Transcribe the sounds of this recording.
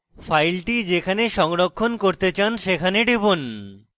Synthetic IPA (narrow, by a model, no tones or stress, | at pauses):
fajlʈid͡ʑekʰaneʃɔŋɾokʰːonkoɾt̪et͡ɕanʃekʰaneɖibun